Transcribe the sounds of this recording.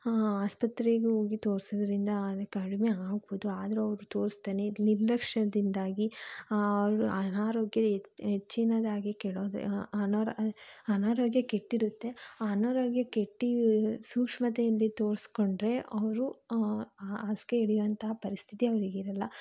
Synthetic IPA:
aːspɐt̪ɾeɡeoːɡit̪o̞ːɾsɐd̪ɐɾind̪ɐd̪ɐkɐɽimeaːɡ̚bod̪uaːd̪ɐɾuɐʋɾut̪oːɾist̪aːneniɾlɐkʂɐd̪ind̪aːɡiɐʋɾuɐnaːɾoːɡjɐet͡ʃːinɐd̪aːɡekɛɭoːd̪̰ɐnoɾɐnaːɾoːɡjɐkeʈːiɾut̪ːe̞anɐːɾoːɡjɐkeʈːisuːkʂmɐt̪ɛjɐlːit̪oːɾiskoɳɖɾe̞ʔɐʋɐɾu | aːskeiɽijʋɐnt̪ɐɦɐpɐɾist̪ʰit̪iɐʋɐɾiɡiɾɐlːɐ

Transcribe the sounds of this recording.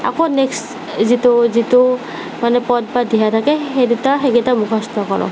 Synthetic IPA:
a̰koneks | zitozito | manɛpɔt̚badʱiɦat̪ʰakɛɦedutaɦeɡetamukʰɔst̪ʰɔkɔɹɔ̰

